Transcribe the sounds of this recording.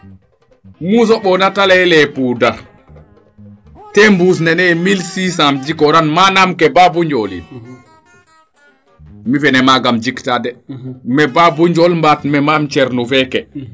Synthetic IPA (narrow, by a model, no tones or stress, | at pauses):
mus̬ɔɓɔnatalɛɛlɛpuda | tɛmbus̬nɛnɛmilsisamd͡ʒikɔɾanmanamkɛbabuɲd͡ʒɔlḭ | mifɛnɛmaɡamd͡ʒiktadɛmɛbabuɲd͡ʒɔlmbatmɛmamt͡ʃɛɾnufɛkɛ